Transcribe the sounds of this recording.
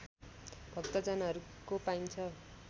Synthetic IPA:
b̥ʱʌkt̪ʌd͡zʌnaɦʌɾukopaint͡sʰʌ

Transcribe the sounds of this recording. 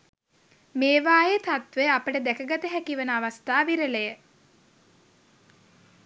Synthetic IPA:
meːʋaːjet̪at̪ʋeapəʈəd̪ækəɡat̪əɦækiʋənəaʋast̪aːʋiɾəlejə

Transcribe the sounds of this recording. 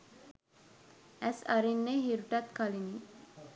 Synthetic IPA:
æsaɾinːeɦiɾuʈat̪kalini

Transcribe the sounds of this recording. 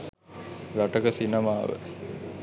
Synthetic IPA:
ɾaʈəkəsinɐmaːʋə̰

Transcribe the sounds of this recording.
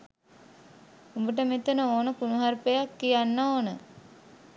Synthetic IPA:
umbəʈ̬əmet̪ənəoːnəpunuɦaɾpejakːijanːaoːnə

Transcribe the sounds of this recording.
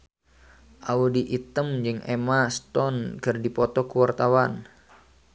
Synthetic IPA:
ʔaudiʔit̪əmd͡ʒɨŋʔemast̪ɔnkɨrdipɔt̪ɔkuwart̪awan

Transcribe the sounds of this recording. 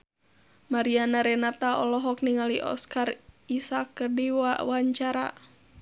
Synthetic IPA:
maɾianaɾɛnat̪aɔlɔɦɔkniŋaliʔɔ̰skaɾisakːərdiawaɲt͡ʃaɾa̰

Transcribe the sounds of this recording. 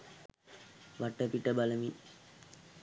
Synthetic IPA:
ʋaʈəpiʈəbaləmi

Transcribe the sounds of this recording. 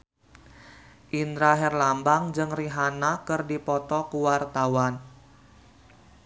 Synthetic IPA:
ʔind̪ɾaɦɛrlambaŋd͡ʒɨŋriɦanakɨrdipɔt̪ɔkuwart̪awan

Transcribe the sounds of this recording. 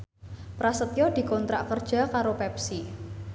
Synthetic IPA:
pɾasət̪jɔd̪̥i̤kɔnt̪ɾaʔkərd̥ʒ̥a̤kaɾopɛpsi

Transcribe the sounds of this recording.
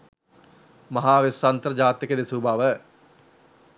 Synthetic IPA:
mɐɦaːʋesːɐnt̪əɾd͡ʒaːt̪ɪkəd̪esubʱaʋə

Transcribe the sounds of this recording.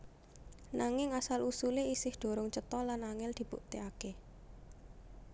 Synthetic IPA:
naŋɪŋasalʔusuleisɪhd̪̥o̤ɾʊŋt͡ʃət̪ɔlanaŋɪld̪̥i̤b̥ṵʔt̪eake

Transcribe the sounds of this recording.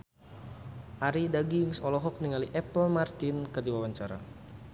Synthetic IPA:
ʔaɾidaɡiŋsɔlɔɦɔk̚niŋaliʔɛpəlmart̪ɪnkədiwawaɲt͡ʃaɾa̰

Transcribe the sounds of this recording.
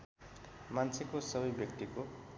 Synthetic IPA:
mant͡sʰekosʌbʌjbjʌk̚t̪iko

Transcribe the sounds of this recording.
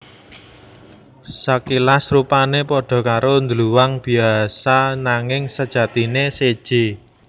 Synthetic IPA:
sakilasrupanepɔɖ̥ɔ̤kaɾond̪əluwaŋb̥i̤asanaŋɪŋsəd̥ʒ̥ä̤t̪inesed̥ʒ̥e̤

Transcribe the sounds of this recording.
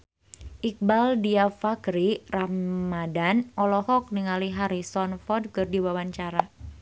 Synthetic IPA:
ʔik̚baldiafaɡɾiramadanɔlɔhɔk̚niŋaliɦaɾisɔnfɔrd̚kɨrdiwawaɲt͡ʃaɾa

